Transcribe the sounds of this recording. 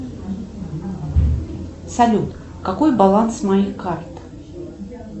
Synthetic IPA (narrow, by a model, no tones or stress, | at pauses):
sɐlʲut̪ | kɐkojbɐlˠansmɐjixkart̪